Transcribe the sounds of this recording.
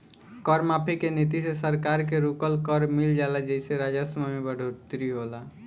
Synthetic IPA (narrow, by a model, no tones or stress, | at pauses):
kəɾmapʰekenit̪̬isesəɾkaɾk̬eɾukəlkəɾmild͡ʒalad͡ʒəɪseɾad͡ʒasmamebəɽ̤ʱot̪ɾiɦola